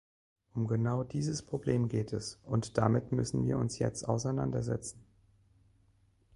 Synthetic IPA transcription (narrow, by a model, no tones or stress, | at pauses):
ʔʊmɡənaʊdiːzəspʁ̥obleːmɡeːtʰɛsʔʊntd̥amɪtmʏsn̩viːɐʊnsjɛ̰t͡sta̰ʊsaɪna̰ndɐzɛ̰t͡sn̩